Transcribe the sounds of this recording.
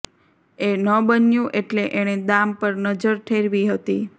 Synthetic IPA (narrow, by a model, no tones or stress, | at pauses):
enəbənjũʔeʈleʔeɽ̃ed̪ampəɾnəd͡ʒəɾʈ̪ʰeɾʋiɦət̪i